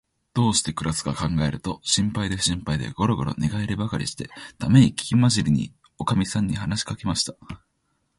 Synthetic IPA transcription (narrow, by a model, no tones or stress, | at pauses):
d̪̥o̞ːɕi̥t̪e̞kɯ̟ɾasɨ̥ɡakãŋɡae̞ɾɯ̟t̪o̞ɕĩmpaid̪e̞ɕĩmpaid̪e̞̰ɡ̥o̞ɾo̞ɡo̞ɾo̞̰neɡaeɾʲɯbakaɾʲḭɕi̥t̪e̞̰t̪ʰame̞ɲ̟ikʲi̥kʲimaʑiɾʲiɲ̟ḭ | o̞kamʲisãɲ̟ːihanaɕi̥kake̞maɕi̥t̪a